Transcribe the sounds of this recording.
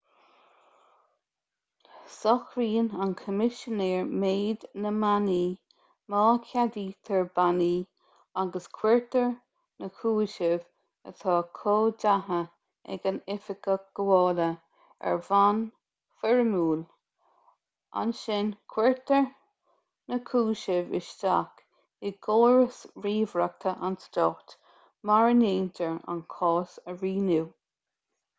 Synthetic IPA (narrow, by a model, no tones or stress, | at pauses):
sɔxɾiːnankʰəmɪʃəneːɹmeːd̪nəmaniː | mɑːkʰad̪iːt̪ʰəɹbaniː | aɡəskʰwɛɹt̪əɹ | nəkʰuːɪʃɪv | ə̰t̪ʰɑːkʰoːdaɦə | ɛ̰ɡənɪfɪkəɡ̥əwɔːlə | ɛ̰ɹvan | fɛɹəmuːl | a̰nʃɪnkʰwɛɹtəɹ | nəkʰuːʃɪvɪ̰ʃtak | ɪɡoːɹəsɹiːvɹak̚t̪ʰəʔansdɔːxt | maɹəneːntʰəɹa̰nkʰɔːsəɹiːnuː